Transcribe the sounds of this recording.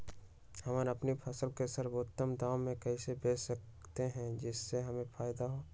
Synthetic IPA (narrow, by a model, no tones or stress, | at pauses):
həmaɾɐpnipʰɐsəlkesəɾboːt̪ːəmd̪aːomẽkɛisebeːsək̚ | t̪eɦɛ̃d͡ʒɪsːeɦɐmẽfʰaːjd̪aɦoː